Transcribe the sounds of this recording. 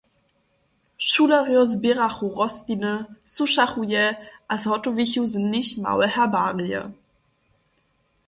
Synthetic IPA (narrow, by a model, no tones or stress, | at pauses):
ʃuːlaʁjɔzbiʁaχuʁɔstinəsuʃaχujɛʔashɔtoviçuzənnɪçma̰wəhɛɐbaːʁiə̰